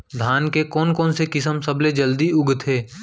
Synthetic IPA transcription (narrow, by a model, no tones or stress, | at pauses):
d̪ʱaːnkekɔːnkɔːnsekɪsəmsɐbled͡ʒəld̪iʊɡt̪ʰɦeː